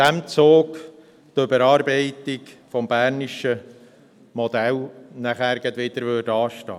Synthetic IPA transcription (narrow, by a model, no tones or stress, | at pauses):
æmt͡soːk | tøbəɾɑːɾbɛɪt̪ɪkfɔmbæːɾniʃə | mɔd̪ælnæχæːɾɡ̥ɑt̪ʋɪd̪əɾʋødɑːʃtɑ̰ː